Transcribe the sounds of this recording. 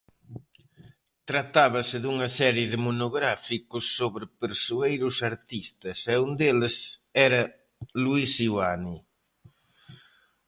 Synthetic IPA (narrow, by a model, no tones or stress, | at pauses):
t̪ɾat̪aβɐsɪðuŋɐsɛɾjɪðɪmonoɣɾafikʊsːoβɾɪpeɾsuejɾʊsaɾt̪ist̪ɐsɛund̪elɪsɛɾɐ | luisiwani